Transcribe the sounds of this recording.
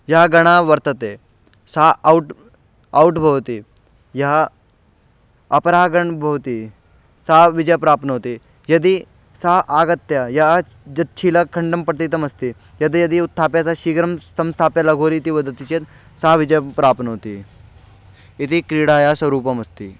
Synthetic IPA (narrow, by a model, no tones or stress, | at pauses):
jaɡɐɽ̃aʋəɾt̪ət̪e | sawʈ | auʈbʱɐʋt̪iː | ja | ɐpɾaɡəɳbʱɐʋt̪iː | saʋid͡ʑəjpɾaːpnəɦot̪iː | jɐd̪iː | saʔaɡət̪ːjaja | d͡ʑɐt̪̚t͡ɕʰiːlakʰəɳɖəmpɾət̪it̪̬əmɐst̪i | jɐd̪ijɐd̪iut̪ʰːapjat͡saɕiːɡɾəmsɐmst̪ʰapjalɐɡʱoɾiːt̪iːʋəd̪ət̪it͡ɕet̪ | saʋid͡ʑəpɾaːpnəɦot̪i | it̪iːkɾiɽajasʋɐɾuːpɐmɐst̪ḭː